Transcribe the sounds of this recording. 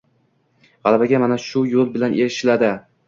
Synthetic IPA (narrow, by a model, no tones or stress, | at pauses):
ʁɑlˠabaɡʲamanaʃʊjolˠbɪlanʔeɾɪʃɪlad̪ɪ